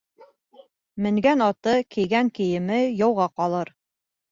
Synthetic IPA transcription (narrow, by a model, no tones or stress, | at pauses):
mɘ̆ŋɡænɑt̪ɤkɘ̆jɡæŋkɘ̆jɘ̆mɘjɑwʁɑqɑlˠɤɾ